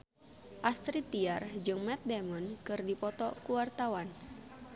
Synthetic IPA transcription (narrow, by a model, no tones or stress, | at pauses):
ʔast̪ɾit̪iard͡ʒɨŋmɛt̪̚demɔnkɨrdipɔt̪ɔkuwart̪awan